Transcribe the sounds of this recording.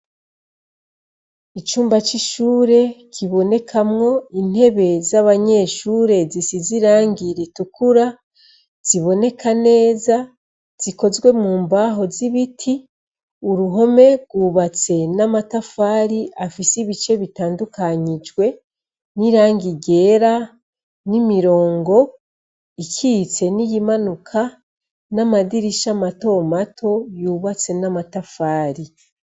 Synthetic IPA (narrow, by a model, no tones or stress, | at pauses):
it͡ʃuːmbat͡ʃiʃuːɾe̞kʰiβo̞ne̞kʰamŋo̞in̥he̞βe̞zaβaɲe̞ːʃuːɾe̞zisiziɾaːŋɡiɾitukuɾa | z̥iβo̞ne̞kʰane̞ːza | z̥iko̞zɡwe̞muːmbaɦo̞ziβitʰi | uɾuɦo̞me̞ɡwuːβat͡se̞namatafaːɾiʔafisiβit͡ʃe̞βitaːndukaɲid͡ʒwe̞ | niɾaːŋɡiɟe̞ːɾa | nimiɾo̞ːŋɡo̞ | icʰit͡se̞nijimanukʰa | namadiɾiʃamato̞matʰo̞juːβat͡se̞namatafaːɾi